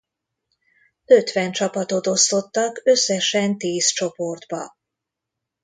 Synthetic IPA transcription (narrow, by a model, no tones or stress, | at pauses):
øt̪ʋɛnt͡ʃɒpɒt̪o̞t̪o̞st̪o̞t̪ːɒkø̞sːɛʃɛnt̪iːst͡ʃo̞po̞rd̪bɒ